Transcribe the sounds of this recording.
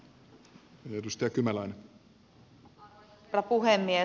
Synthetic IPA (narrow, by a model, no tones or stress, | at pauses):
edust̪ɑjɑkymælɑjne | rɑpuɦemːie